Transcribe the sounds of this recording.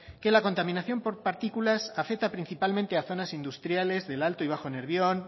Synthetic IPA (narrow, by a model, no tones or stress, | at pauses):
ke̞lako̞nt̪amĩnaθjo̞mpo̞ɾpaɾt̪ikulasafek̚t̪apɾinθipalmẽnt̪e̞aθo̞nasind̪ust̪ɾjale̞zðe̞lalt̪oiβ̞axone̞ɾβ̞jo̞n